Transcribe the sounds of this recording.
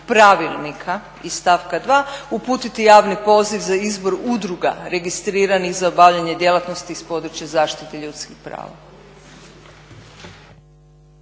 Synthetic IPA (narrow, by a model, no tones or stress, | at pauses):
pɾaʋilˠnikʰa | ist̪aːfkad̪ʋaːupuːt̪it̪ijaːʋnipo̞ːziʋzaizbo̞ɾud̪ɾuɡa̰ɾe̞ɡist̪ɾiːɾaniɣzaobaʋʎaɲe̞d̪je̞lˠat̪no̞st̪iːspo̞d̪ɾut͡ʃjazaːʃt̪it̪eʎut̪skixpɾa̰ːʋa̰